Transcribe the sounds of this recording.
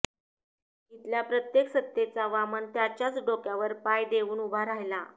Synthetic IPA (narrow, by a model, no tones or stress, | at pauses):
it̪ljapɾət̪jeksət̪ːjet͡saʋamənt̪jat͡ɕjat͡sɖokjaʋəɾpajd̪eʋuːnubʱaɾaɦjla